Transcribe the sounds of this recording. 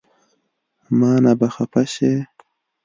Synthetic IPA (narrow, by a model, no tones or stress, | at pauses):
mɑːnabaxapaɕe